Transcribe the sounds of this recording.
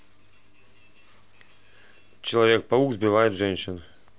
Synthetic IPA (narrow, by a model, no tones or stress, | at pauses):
t͡ɕɪlˠɐvʲek̚pɐuɡzbʲɪvajɪt̪ʐɛnʲɕɪn